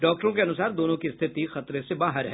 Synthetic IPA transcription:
ɖɔːk̚ʈəɾõk̬eɐnʊsaːɾd̪oːnõkist̪ʰɪt̪ixɐt̪ɾesebaːɦəɾɦɛː

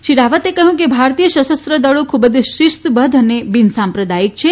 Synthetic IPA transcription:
ʃiɾaʋət̪ekəɦũkebʱaɾt̪ijəʃəsəst̪ɾəd̪əɭokʰubəd̪ʃɪʃt̪bəd̪ʱənebinsampɾəd̪ajik̚t͡ʃʰe

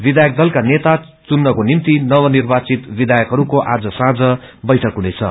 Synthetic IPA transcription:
bid̪ʱajʌk̚d̪ʌlkanet̪a | t͡sunːʌkonimt̪inʌβʌnirbat͡sit̪bid̪ʱajʌkɦʌɾukoʔad͡zʌsãd͡zʌbʌjʈʰʌkɦunet͡sʰʌ̰

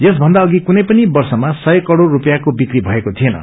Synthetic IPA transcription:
jesbʱʌnd̪aʌɡikunʌjpʌnibʌrsʌmasʌjkʌɽorːupʌjakobikribʱʌekot̪ʰienʌ̰

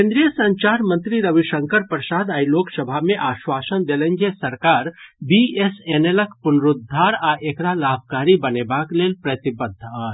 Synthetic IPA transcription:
kẽnd̪ɾijəsə̃ɲt͡ʃaɾmə̃nt̪ɾiɾəʋiʃəŋkəɾpɾəsad̪ailoksəbʱameʔaːʃʋasənd̪elənd͡ʒesəɾkaɾbieseneləkpunɾud̪ʱːaɾaʔekɾalab̚ʱkaɾibənebaklelpɾət̪ibəd̪ʱːa

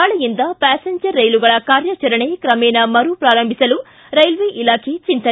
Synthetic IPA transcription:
aːɭɐjind̪ɐpaːseɲd͡ʒɐɾːɐjluɡɐɭɐkaːɾjɐt͡ʃɐɾɐɳeːkɾɐmɛːnɐmɐɾuːpɾaːɾɐmbʱisɐlu | ɾɐjlʋeːʔilaːkʰeːt͡ʃint̪ɐ

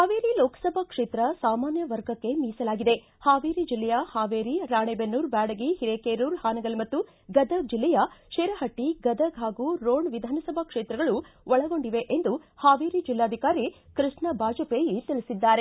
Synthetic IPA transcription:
haːʋeːɾiloːkɐ̥sɐbʱɐkʂeːt̪ɾɐsaːmaːnjɐʋɐɾɡɐkːe̞miːsɐlaːɡid̪e̞ | haːʋeːɾid͡ʒilːɛjɐhaːʋeːɾiɾaːɳeːbenːuːɾbaːɽɐɡihiɾeːkeːɾuːɾhaːnɐɡɐlmɐt̪ːu | ɡɐd̪ʱɐɡ̚d͡ʒilːɛjɐʂeːɾɐɦɐʈːiɡɐd̪ʱɐɡɦaːɡuːɾoːɳʋid̪ʱaːnɐsɐbʱɐkʂeːt̪ɾɐɡɐɭuʋɔɭɐɡo̞ɳɖiʋe̞ʔend̪uhaːʋeːɾid͡ʒilːaːd̪ʱikaːɾikɾiʂɳɐbʱaːd͡ʒɐpeːjit̪ilisid̪ːaːɾe̞

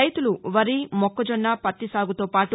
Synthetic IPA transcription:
ɐjt̪uluʋɐɾiːmɔkːɐd͡ʒɔnːaːpɐt̪ːisaːɡut̪oːpaːʈu

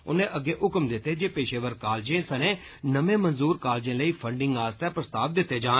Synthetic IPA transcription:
ʊ̰nẽːʔəɡːeːʔʊkəmd̪ɪt̪ːeːd͡ʒeːpeːʃeːʋəɾkaːld͡ʒẽːsənẽː | nəmẽːmənzuːɾkaːld͡ʒẽːləiːpʰəɳɖɪ̃ŋɡaːst̪ɛːpɾəst̪aːʋd̪ɪt̪ːeːd͡ʒãː

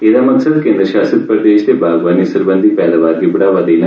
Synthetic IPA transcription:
eːd̪aːmɐksəd̪kẽːnd̪ɾəʃaːsət̪̚pɾəd̪eːʃd̪eːbaːɡʋaːnisəɾbə̃nd̪ʱipɛːd̪aːʋaːɾkibɐɽaːʋəd̪iːlə

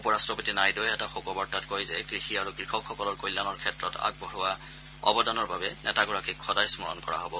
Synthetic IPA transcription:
upɔɹastɹɔpotinajdojɛtaxokɔbɔɹtatkojzɛkɹixiaɹukɹixɔkʰxɔkɔlɔɹkojlːanɔɹkʰɛtɹɔta̰k̚bɔɦʊwa | ɔ̰bɔdanɔɹbabɛnɛ̰taɡɔɹakikʰɔdajsmɔɹɔ̰nkɔɹa̰ɦɔbɔ

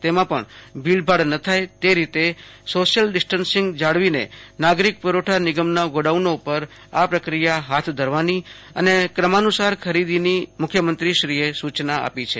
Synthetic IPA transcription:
t̪emãpəɳbʱilbʱaɽnət̪ʰajt̪eɾit̪esoʃjəlɖɪsʈənsɪ̃ŋɡd͡ʒaɽʋinḛnaɡɾik̚pəɾoʈʰanɪɡəmnaɡoɽaʋnopəɾ | apɾəkɾijaɦat̪ʰd̪ʱəɾʋani | ə̰nekɾəmanusaɾkʰəɾid̪inimʊkʰjəmənt̪ɾiʃɾiesut͡ʃnaa̰pit͡ʃʰe

